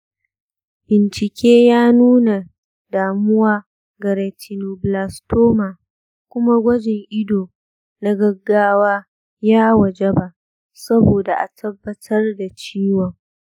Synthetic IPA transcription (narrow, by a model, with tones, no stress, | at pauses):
bɪ˨nt͡ʃɪ˨kʲeː˦jaː˦nuː˦na˨ | daː˨mʊ˦waː˦ | ɡɐ˨ɾe˨tʰi˨no˨blaː˨stoː˦maː˨ | kʷʊ˦ma˦ɡʷɐ˦d͡ʒɪ˨ŋʔɪ˦doː˨ | na˦ɡɐ˦ɡːaː˦waː˦ | jaː˦wɐ˨d͡ʒe˦ba˦ʔ | sɐ˦boː˨da˨ʔa˨tʰɐ˦bːɐ˦tʰɐ˦rda˨t͡ʃiː˦wɔ˨ŋ